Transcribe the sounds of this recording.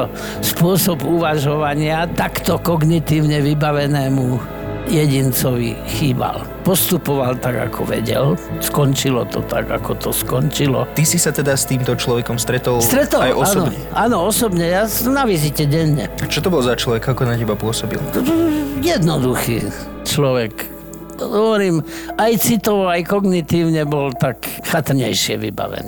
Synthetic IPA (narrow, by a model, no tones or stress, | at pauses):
spʊɔsɔbuʋaʒɔʋaɲɪat̪akt̪ɔkɔɡnit̪iːʊɲɛʋibaʋɛnɛːmu | jɛɟint͡sɔʋḭxiːba̰l | pɔst̪upɔʋalt̪aɡa̰kʰɔ̰ʋɛ̰ɟɛ̰lskɔnt͡ʃilɔt̪ɔ̰t̪a̰ɡa̰kɔt̪ɔskɔnt͡ʃilɔ̰t̪isisat̪ɛd̪ast̪iːmt̪ɔt͡ʃlɔʋɛkɔmst̪ɾɛt̪ɔlst̪ɾɛt̪ɔajʔɔsnɔɔɛʔaːnɔɔsɔbɲɛjaːsɔmnaʋizicɛɟɛɲːɛ̰at͡ʃɔt̪ɔbɔlzat͡ʃlɔʋɛkakɔnacɛbapʊɔsɔbḭlɔt̪ɔjɛd̪nɔd̪uxiː | t͡ʃlɔʋɛk | ɦɔʋɔɾiːmajt͡sit̪ɔʋɔajkɔɡnit̪iːʊɲɛbɔlt̪akxat̪rɲɛjʃɪɛʋiba̰ʋɛ̰niː